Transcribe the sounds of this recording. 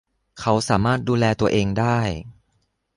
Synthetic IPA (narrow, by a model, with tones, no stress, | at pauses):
kʰa˦˥wsaː˩˦maː˥˩t̪̚duː˧lɛː˧t̪u˧ɐʔeː˧ŋdaː˥˩j